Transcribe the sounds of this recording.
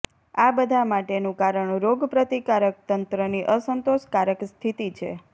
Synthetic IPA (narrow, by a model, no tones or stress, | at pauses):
abəd̪ʱamaʈenũkaɾəɳɾoɡpɾət̪ikaɾək̚t̪ənt̪ɾəniʔəsənt̪oʃkaɾəkst̪ʰit̪it͡ʃʰḛ